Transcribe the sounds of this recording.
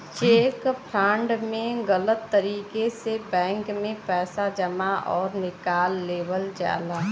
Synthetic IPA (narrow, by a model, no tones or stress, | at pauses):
t͡ʃeːkpʰɾãːɳɖmẽɣələt̪ːəɾiːkesebɛ̃ːŋkmẽpɛːsad͡ʒəmaʔɔːɾnɪkaːlːeːʋəld͡ʒa̰ːlaː